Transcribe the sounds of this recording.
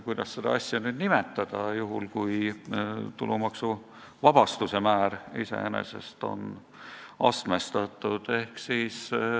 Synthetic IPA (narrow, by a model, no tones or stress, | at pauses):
kujd̪ɑsːed̪ɑ̰ɑsʲjɑnyːd̪nimet̪ːˑɑd̪̥ɑjuɦulkuj | t̪ulumɑksu | vɑb̥ɑst̪use̞mæːɾisḛḛnḛse̞̰st̪o̞̰n | ɑst̪mest̪ɑt̪ːˑud̪̥e̞hksiːs